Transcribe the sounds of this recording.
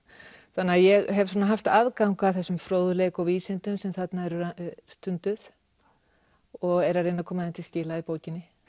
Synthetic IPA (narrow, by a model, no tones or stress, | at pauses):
θanːaajɛɣɦɛvsɔːnaɦaft̪aðkawŋkawθɛsːʏmfɾoːwðʏleːjkɔwviːsɪnt̪ʏmsɛmθat̪naɛɾʏɾst̪ʏnt̪ʏθ | ɔɣɛɾaɾejnakʰɔːmaðɪnt̪ʰɪlscɪːlaipoːwcɪnːɪ